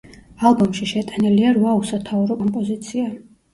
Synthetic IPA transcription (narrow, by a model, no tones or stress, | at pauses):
alˠbɔmʃiʃɛt̪ʼaniliaɾvausat̪ʰaɔɾɔkʼɔmpʼɔzit̪sʰia